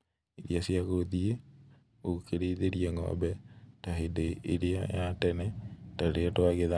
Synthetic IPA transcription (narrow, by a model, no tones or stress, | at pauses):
eɾiasiaɣoðie | okeɾeːðeɾieŋɔ̰bɛtaɦedeʔeɾea̰jatɛnɛtaɾetwaɣeða